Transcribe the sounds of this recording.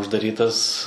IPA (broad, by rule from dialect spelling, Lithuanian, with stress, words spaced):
ʊʒdɐˈrʲiːtɐs